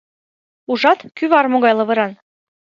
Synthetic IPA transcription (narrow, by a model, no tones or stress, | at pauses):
uʒɑt̪kyβɑrmoɣɑjlɤ̆βɤ̆ɾɑn